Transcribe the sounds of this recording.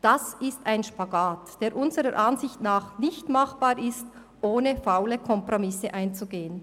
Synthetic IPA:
d̥asɪstaɪnʃpaɡaːtd̥eːɾʔʊnzəʁəɾʔanzɪçtnaːχnɪçtmaχb̥aːɾɪst | ʔoːnəfaʊləkʰɔmpʁomɪsəʔaɪnt͡suɡeːən

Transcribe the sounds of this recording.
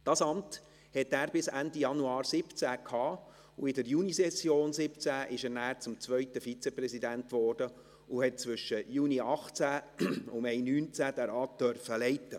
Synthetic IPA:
d̥ɑːsɑmt | hɛtːæːɾbɪsænd̪ijɑnuɑːɾsɪpt͡sækʰhɑː | uɪdəɾjunisɛsjoːnsɪpt͡sæʔɪʃæɾnæːɾt͡sʊmt͡sʋœɥt̪əfit͡sɛprɛsid̪æntʋɔːrd̥ə | ʊhɛt̚t͡svʏʃəjuːniɑχt͡sæʊmɛɪnyːnt͡sæd̥̪æɾɑːt̚d̪̥œrfəlɛɪt̪ːə

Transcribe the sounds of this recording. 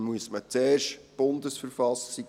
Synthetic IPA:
muəsmət͡seːrʃtb̥ʊnd̪əsfəɾfɑsi

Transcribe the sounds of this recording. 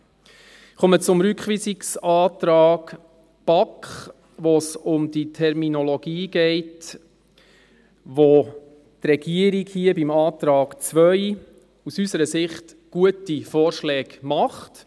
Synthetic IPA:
χumət͡sʊmɾykχʋisiksɑːt̪ɾɑːɡ | b̥ɑkχ | ʋosʊmd̪itʰɛɾminɔlɔɡ̥iːɡ̥ɛɪt | ʋo | trɛɡ̥iəɾikhiəbimɑːt̪ɾɑːɡt͡svœj | usysəɾəsɪχt | ɡ̥uətifɔːɾʃlɛːɡ̥mɑχt

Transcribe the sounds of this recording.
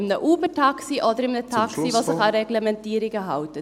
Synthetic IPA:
mnəʔuːbəʈʰɑksɪʔɔd̪əɾɪmnət̪ʰɑksɪʋɔsəkɑɾɛɡləmɛnt̪iːɾɪɡəɦɑʊt̪ət̪

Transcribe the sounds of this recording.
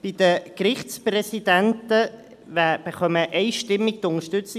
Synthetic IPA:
b̥id̥̪əkɾɪχtsprɛsid̪æntə | væb̥əχœməʔɛɪʃtɪmːiɡ̚tʊŋəʃtʏt͡sɪ

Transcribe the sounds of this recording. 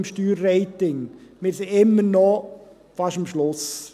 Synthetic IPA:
mʃtyːɾːeɪtɪŋmɪɾsɪɪmːəɾnɔ | fɑʃəmʃlʊs

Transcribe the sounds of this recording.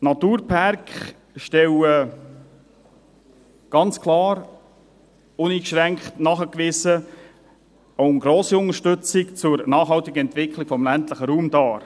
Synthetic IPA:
nɑt̪uːɾpʰærkχ | ʃtɛwə | ɡ̥ɑnt͡skʰlɑːɾ | ʊniːkʃɾæŋkχtnɑχəkʋɪsə | oʊnɡɾoːsiʊnəʃtɵt͡sɪkt͡sʊɾnɑːχɦɑltɪɡəɛntvɪkʰlɪkfɔmlæntləχəɾuːmdɑːɾ

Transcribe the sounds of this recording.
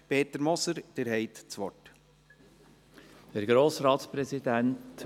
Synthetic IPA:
peːt̪əɾmɔsəɾd̥eɾɦɛɪt̪t͡sʋɔt | d̪̥ɛɾɡɾoːsɾɑːtspɾɛsidænt

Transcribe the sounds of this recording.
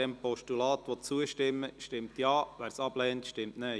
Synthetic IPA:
ɛmpɔʃtulɑːt̪ʋɔt͡suəʃtɪmːəʃtɪmt̪jɑːʋæːɾsɑb̥lɛːntʃtɪmtne

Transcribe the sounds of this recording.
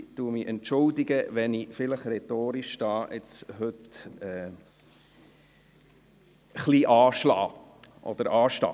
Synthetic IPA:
tuːəmiʔɛntʃʊld̪ɪɡəʋɛnifɪləχɾɛt̪oːɾiʃd̥ɑːʔɪ̰t͡sɦhɵt̪ɛː | χliːʔɑːʃlɑ̰ː | ʔɔ̰d̪̥əɾɑːʃlɑ̰ː

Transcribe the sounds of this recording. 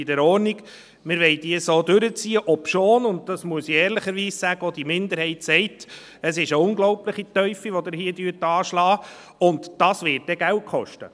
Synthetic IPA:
idɛɾɔːɾniɡ | mɪɾʋɛɪd̥iəsoːdøɾət͡siːəʔɔpʃoːnʊnt̚d̥ɑsmuəsiɛːɾlɪχəɾʋiːssæɡəɔd̥imɪnd̪əɾhɛɪtsɛɪt | əsɪʃəʊnɡlɔwpləχitœʏfiʋɔdɪɾhiədyːtɑːʃlɑː | ʊntd̥ɑsʋɪːt̚d̥ɛɡæwt̚kχɔʃtə̰

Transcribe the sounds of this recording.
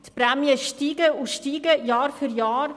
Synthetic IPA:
tpɾɛmjəʃtiːɡəuʃtiːɡəjɑːɾfyɾjɑːɾ

